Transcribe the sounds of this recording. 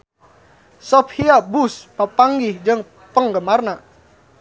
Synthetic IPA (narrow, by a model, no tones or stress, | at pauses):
sɔphiabuspəpaŋɡɪhd͡ʒəŋ | pəŋɡəmarna